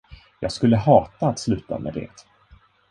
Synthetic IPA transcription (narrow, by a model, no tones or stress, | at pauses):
jɑːɡskɵlːəɦɑːt̪aːt̪slʉ̟ːt̪a̰mɛd̪ɛ̰t̪